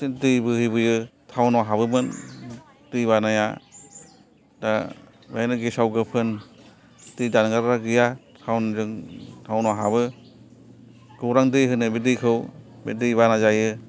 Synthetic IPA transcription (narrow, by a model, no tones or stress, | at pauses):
ɯdɯjbɯhɯjbɯjɯtʰawnwaɦabɯmɯn | d̥ɯjbanaja̰ | da | bajnɯɡesawɡɯpʰɯn | tɯjdanɡaɾɾaɡɯjatʰawnzɯŋtʰawnaɦabɯ | ɡ̥ɯwɾaŋdɯjɦɯnɯbedɯjkʰɯwbedɯjbanazajɯ